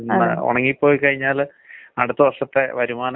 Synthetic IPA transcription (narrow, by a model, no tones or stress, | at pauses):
nːɨ̰o̰ɳɐŋːipːo̞ːjkɐɻiɲːaːl | ɐɽut̪ːɐʋɐʂɐt̪ːe̞ʋɐɾumaːnɐ